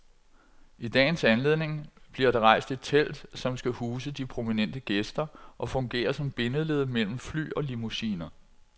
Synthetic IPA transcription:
id̥ɛ̰ːnsænle̝ð̰ˠne̝ŋb̥liɐɾ̥ɑ̈ʁɑ̈ɪ̰sd̥e̝t͡sʰel̰d̥sɒ̽msɡ̥æhuːsəd̥ipʰʁo̝minen̰d̥əɡ̥esd̥ɐʔɒ̽fɔ̽ŋɡ̥e̝̰ːɐsɒ̽mb̥e̝nəle̝ð̞̰ˠmel̰m̩fly̰ːɒ̽limusḭːnɐ

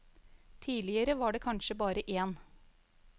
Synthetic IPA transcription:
t̪ʰiːlɪəɾəʋɑːɖeːkʰɑnʃəbɑːɾəʔeːn

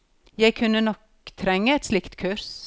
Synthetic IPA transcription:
jæɪkʰʉnːənɔk | t̪ʰɾɛŋːəɛt̪slɪkt̪kʰʉɾs

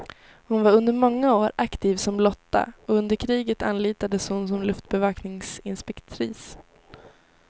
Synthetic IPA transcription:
hʊnvaɾɵnd̪əɾmɔŋːaoːɾakt̪iːvsɔmlɔt̪ːa̰ɔɵnd̪əɾkʰɾiːɡət̪anːliːt̪ad̪əshʊnsɔmlɵft̪̚bɛvɑːknɪŋsɪnspɛkt̪ʰɾiːs

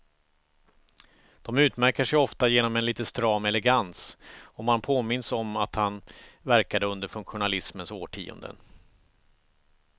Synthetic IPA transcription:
d̪̥ɔmʉ̟ːt̪mæɾkəʂɛjɔft̪ajeːnɔmɛnliːt̪ənst̪ɾɑːmɛlɛɡansɔmanpʰoːmɪnsɔmat̪hanvæɾkad̪əɵnd̪əɾfɵŋkɧʊnalɪsmənso̰ːʈʰḭːɔ̰nd̪ə̰n

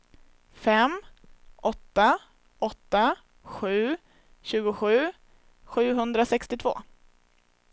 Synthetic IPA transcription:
fɛmʔɔt̪ːa | ʔɔt̪ːa | ɧʉ̟ː | ɕʉ̟ːɡʊɧʉ̟ː | ɧʉ̟ːɦɵnd̪ɾasɛkst̪ɪt̪ʰvo̰ː

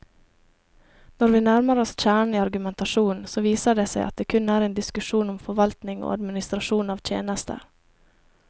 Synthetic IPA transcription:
nɔɾʋiːnæɾməɾəɔsc͡çæːɳiːɑɾɡʉmɛnt̪ɑʃuːnsoːʋiːsəɖeːsæɪʔɑt̪̚d̪eːkʰʉnæːɾeːnd̪ɪskʉʃuːnɔmfɔʋɑlt̪nɪŋo̰ːɑd̪mɪnɪst̪ɾɑʃuːnɑːʋt̪ʰjḛːnəst̪ʰə̰

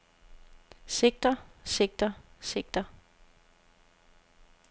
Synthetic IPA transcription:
se̝ɡ̥̚d̥ɐseɡ̥̚d̥ɐse̝ɡ̥̚d̥ɐ

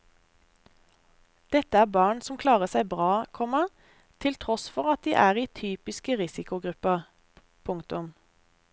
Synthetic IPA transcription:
d̪̥ɛt̪əæːbɑːɳsɔm̩kʰlɑːʁəsæɪbʁɑːkʰɔmə | t̪ʰɪlt̪ʰʁɔsfɔʁɑt̪̚d̪ḭːʔæːʁiːt̪ʰyːpɪskəʁɪsɪkʊɡʁʉpɑ | pʰʊŋt̪ʊm

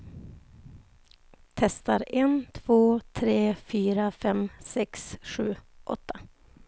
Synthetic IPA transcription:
t̪ʰɛst̪aɾɛnt̪ʰv̥oːt̪ʰɾeːfyːɾafɛmsɛksɧʉ̟ːʔɔ̰t̪ʰːa

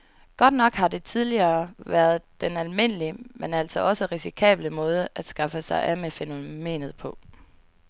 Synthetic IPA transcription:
ɡ̥ɒ̽d̥nɒ̽ɡ̥hɑ̈d̥e̝t͡sʰið̞ˠliɐːʋæɐð̞̩ˠd̥enælme̝n̰əliəmenæl̰sɒ̽ʔɒ̽səʁisikʰɛ̰ːb̥ləmɔ̽ːð̞ˠəʔæd̥sɡ̥ɑ̈fəsɑ̈ɪʔæmefeno̝me̝̰ːnð̞̩ˠpʰɒ̽

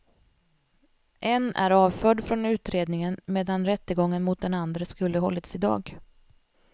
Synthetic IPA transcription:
ʔɛnæ̰ɾɑːvfœːɖfɾɔnʉ̟ːt̪ɾeːd̪nɪŋənmeːd̪anɾɛt̪ːəɡɔŋːənmʊt̪̚d̪ɛnand̪ɾəskɵlːəɦɔ̰lːət̪sɪd̪ɑ̰ːɡ

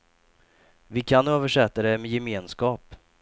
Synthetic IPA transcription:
vɪkʰanøːvəʂɛt̪ːad̪ɛmɛjɛmeːnskɑːp

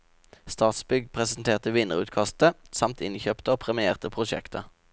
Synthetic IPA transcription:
st̪ɑːt̪sbʏɡpʰʁɛsn̩t̪ʰeːʁt̪əʋɪnəʁʉ̰ːt̪kʰɑst̪əsɑmt̪ʰɪnçøːpt̪əoːpʰʁɛmɪeːʁt̪əpʰʁʊʃɛ̰kt̪ʰə

